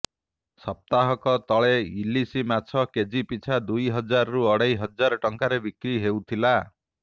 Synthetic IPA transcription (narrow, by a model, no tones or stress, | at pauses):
sɔp̚t̪aɦɔkɔt̪ɔɭeilisimat͡ʃʰɔked͡ʒipit͡ʃʰad̪ujɦʌd͡ʒaɾɔɾuɔɽajɦʌd͡ʒaɾɔʈɔŋkaɾebikɾiɦewt̪ʰila